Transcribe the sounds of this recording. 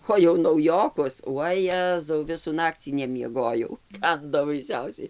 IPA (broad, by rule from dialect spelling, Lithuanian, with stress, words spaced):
oː jɛʊ nɐʊˈjoːkʊs ʋɐˈjæːzɐʊ ˈʋʲɪsuː ˈnɑːkt͡sʲiː nʲɛmʲiɛˈɡoːjɛʊ ˈkɐndoː bɐɪˈsʲɛʊsʲɛɪ